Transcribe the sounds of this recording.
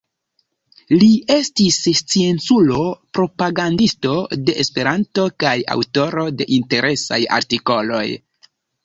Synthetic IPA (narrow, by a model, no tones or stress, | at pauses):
lie̞stist͡sie̞nsulo̞pɾo̞paɡandisto̞de̞ʔespe̞ɾanto̞kaja̰wto̞ɾo̞de̞ʔinte̞ɾʔe̞sa̰ja̰ɾtiko̞lo̞̰j